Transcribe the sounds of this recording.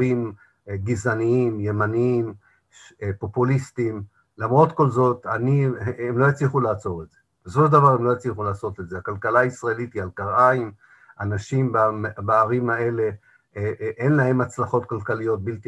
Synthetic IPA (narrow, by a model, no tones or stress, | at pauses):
im | ɡizaniimje̞maniim | ʃpo̞pulistim | lamʁo̞tko̞lzo̞taniemlo̞jat͡sliχulaːt͡so̞ʁez̥e̞ | besoʃd̪avaʁemlo̞jat͡sliχulaːso̞t̪lezeakalkalaisʁaelitialkaʁaim | anaʃimbabaːʁimhae̞le̞ | ʔe̞nlaɦe̞mat͡slaχo̞t̚kalkalijo̞t̚bilt̪i